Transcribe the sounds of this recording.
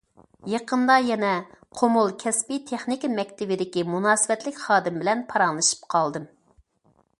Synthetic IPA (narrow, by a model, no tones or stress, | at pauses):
jeqʰənd̪ɑjɛnɛqʰomulˠkʲʰɛspit̪ʰeχnɪkʲimɛkʲt̪ʰɪbɪd̪ɪkʲimunɑːsɨvɛt̪lɪkʲχɑːd̪ɨmbɪlɛnpʰɑɾɑŋlˠɨʃɨ̥p̚qʰɑlˠd̪ɨm